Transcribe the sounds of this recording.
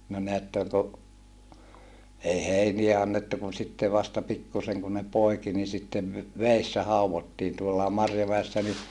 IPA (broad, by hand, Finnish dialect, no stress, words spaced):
no neætːøŋ ko ei heiniæ ɑnːetːu kun sitːe ʋɑstɑ pikːuseŋ kun ne poiki ni sitːeʋ ʋeːsːæ hɑuʋotːiːn tuolːɑː mɑrjomæesːæ ni